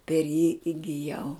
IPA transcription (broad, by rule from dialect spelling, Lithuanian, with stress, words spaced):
pʲɛr jiː ɪɡʲɪˈjɛʊ